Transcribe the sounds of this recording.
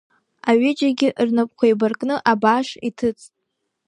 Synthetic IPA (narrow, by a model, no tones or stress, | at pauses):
aɥɪd͡ʒaɡʲɪʔrnɨpʼkʷʰajbarkʼnɨʔabaʂḭtʰɨt͡sʼtʼ